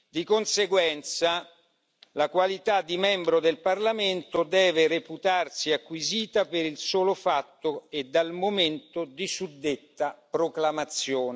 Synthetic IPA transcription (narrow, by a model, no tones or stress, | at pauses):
d̪ikonseɡwɛnt̪sa | lakwalit̪ad̪ːimɛmbɾod̪elparlament̪od̪ɛːvereput̪arsiakːwiziːt̪apeɾilsoːlofat̪ːoed̪ːalmoment̪od̪isud̪ːet̪ːapɾoklamat̪sːjoːne